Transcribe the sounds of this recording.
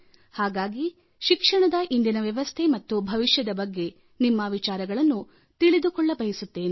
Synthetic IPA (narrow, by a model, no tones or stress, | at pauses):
haːɡaːɡi | ʃikʂɐɳɐd̪ɐʔind̪inɐʋjɐʋɐst̪ʰemɐt̪ːubʱɐʋiʃjɐd̪ɐbɐɡːe̞ | nimːɐʋit͡ʃaːɾɐɡɐɭɐnːu | t̪iɭid̪ukɔɭːɐbɐɦisut̪ːe̞ːne